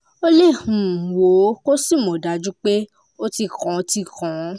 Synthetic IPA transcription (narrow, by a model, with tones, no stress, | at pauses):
o˦le˦˨hũ˨wo˨˦ko˦si˦˨mõ˨da˨˦d͡ʒu˦k͡pe˦ | o˦ti˧kã˨˦o˧ti˧kã˨˦